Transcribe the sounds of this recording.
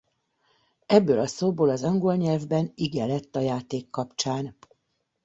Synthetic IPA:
ɛbːøːlɒsoːboːlɒzɒŋɡolɲɛlvbɛniɡɛlɛt̪ːɒjaːt̪eːkːɒpt͡ʃaːn

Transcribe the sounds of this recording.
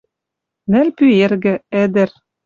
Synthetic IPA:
nɘ̆lpyerɣɘ̆ɛd̪ɘ̆r

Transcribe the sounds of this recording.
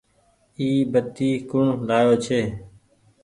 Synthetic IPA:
iːbət̪iːkʊɳlaːjoːt͡ʃʰeː

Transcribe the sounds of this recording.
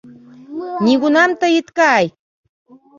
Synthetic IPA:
ɲɪɢʊnamt̪ajɪt̪kaːj

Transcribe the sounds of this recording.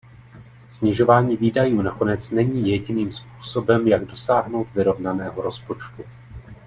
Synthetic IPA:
sɲɪʒo̞vaːɲiːviːdajuːnako̞nɛt͡snɛɲiːjɛɟɪniːmspuːso̞bɛmjaɡdo̞saːɦno̞wt̪vɪɾo̞vnanɛːɦo̞ɾo̞spo̞t͡ʃt̪u

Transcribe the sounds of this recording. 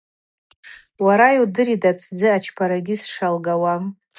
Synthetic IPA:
waɾajwdɨɾidat͡sʰd͡zɨat͡ʃʰpʰaɾaɡʲisʂalɡawa

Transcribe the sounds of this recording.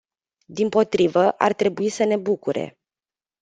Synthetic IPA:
d̪impo̞t̪ɾivəʔart̪ɾe̞buisəne̞bukuɾe̞̰

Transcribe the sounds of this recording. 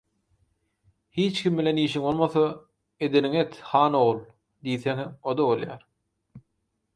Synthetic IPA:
hiːt͡ʃkʰʲimbileniːʃiŋo̞lˠmoθo | e̞d̪eniŋet̪hɑːno̞ʁlˠ | d̪ijθeŋhemod̪oβolˠjɑːɾ

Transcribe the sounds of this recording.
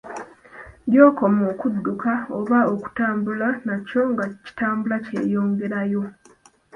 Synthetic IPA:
djo̞ːko̞moːkudːukaoβaoku̥taːmbulanaco̞ŋɡaci̥taːmbulace̞̰ːjo̞ːŋɡe̞ɾajo̞

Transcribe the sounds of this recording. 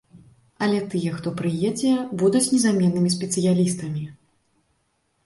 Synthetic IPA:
ɐlʲɛt̪ɨjɛxt̪ɔpɾɨjɛd͡zʲɛbud̪ut͡sʲnʲɛzamʲɛnːɨmʲis̬ʲpʲɛt̪sɨjalʲist̪ɐmʲi

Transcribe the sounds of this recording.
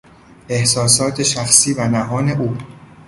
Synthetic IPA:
ʔe̞hsɒːsɒːt̪ʰe̞ʃæxsiːvænæɦɒːne̞ʔuː

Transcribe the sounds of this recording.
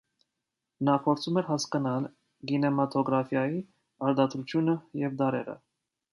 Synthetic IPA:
nɑpʰɔɾt͡sʰumɛɾɦɑskɑnɑl | ɡinɛmɑt̪ʰɔɡɾɑfjɑji | ɑɾd̪ɑt̪ɾut͡sʰjunəjɛvd̪ɑɾɛ̰ɾə̰

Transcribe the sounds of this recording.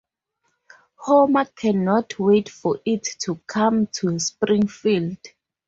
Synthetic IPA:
homakʰɛnɔtʰwetfɔʔitʰːukʰãmtʰuəspɹĩŋfild̥

